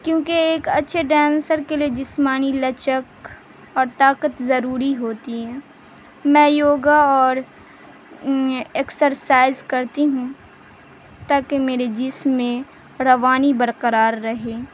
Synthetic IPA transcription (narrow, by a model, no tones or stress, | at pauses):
kjõːkeeːkɐtːʃʰeɖɛ̃ːnsəɾkelied͡ʒɪsmaːnilɐt͡ʃək | ɔːɾt̪aːqət̪zɐɾuːɾiɦoːt̪iɦɛ̃ː | mɛ̃ːjoːɡaɔːɾ | eːksəɾsaːɪzkɐɾt̪iɦũ | t̪aːkemeːɾed͡ʒɪsmːẽ | ɾɐʋaːnibɐɾqəɾaːɾːɐɦeː